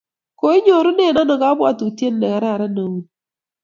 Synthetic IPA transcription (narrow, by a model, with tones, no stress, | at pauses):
ko˨˦ɪ˦ɲo˨ɾʊ˦nɛ˦˨na˦nɔ˨ka˦bwa˦˨to˨tje˦nːɛ˨ka˨ɾa˦˨ɾa˦na˨wu˨n